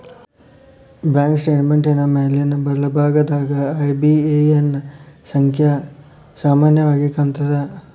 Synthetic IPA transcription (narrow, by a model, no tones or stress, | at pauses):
bjaːŋksʈeːʈmeɳʈenɐmɐɦɐlijɐnːɐbɐɾɐlɐbʱaːɡɐd̪aːɡɐːjbieenːɐsɐŋkʰjɐ | saːmaːnjɐʋaːɡikɐnt̪ɐd̪ɐ